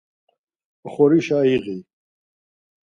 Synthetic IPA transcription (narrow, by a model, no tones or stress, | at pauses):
χoɾiɕaːiɣi